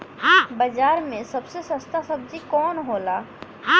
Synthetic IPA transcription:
bəd͡ʒaːɾmẽsɐbsesə̃st̪asəb̚d͡ʒikɔːnɦoːlaː

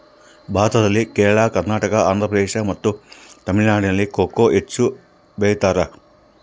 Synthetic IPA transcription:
bʱaːt̪ɐd̪ɐlːikɛːɾɐɭaːkɐɾnaːʈɐkɐaːnd̪ʱɾɐpɾɐd̪eːʂɐmɐt̪ːut̪ɐmiɭnaːɽinɐlːikoːkoːʔet͡ʃːu | beːjt̪aːɾɐ

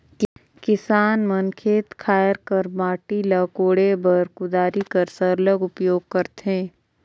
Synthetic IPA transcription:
k | kɪsaːnmənkʰeːt̪kʰaːjəɾkəɾmaːʈilɐkoːɽebʱɐɾkʊd̪aːɾikəɾsəɾləɡʊpjoːɡ̚kəɾt̪ɦẽː

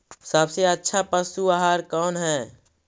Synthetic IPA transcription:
səbseətːʃʰapəsuaɦaːɾkɔːnɦɛː

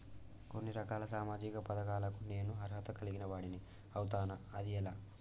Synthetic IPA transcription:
ko̞nːiɾɐkaːlɐsaːmaːd͡ʒikɐpɐd̪ɐkaːlɐkune̞ːnuɦɐɾɦɐt̪ɐkɐliɡinɐʋaːɽini | ɐwut̪aːnɐɐd̪iɛlaː

